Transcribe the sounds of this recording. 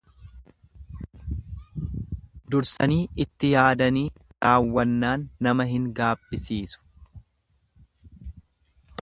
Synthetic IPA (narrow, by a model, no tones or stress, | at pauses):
d̪ʊɾsɐniːɪt̪ːɪjaːd̪ɐniːɾaːwːɐnːaːnːɐmɐɦɪŋɡaːbːɪsiːsʊ̥